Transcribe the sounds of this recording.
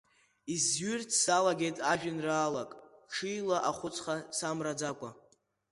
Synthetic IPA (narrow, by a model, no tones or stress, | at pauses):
izɥʏrtʰsalaɡʲe̞jtʼaʒᶣɪnraːlakʼʈ͡ʂʰijlaʔaχʷʊt͡sʰʼχasamrad͡zakʷʼa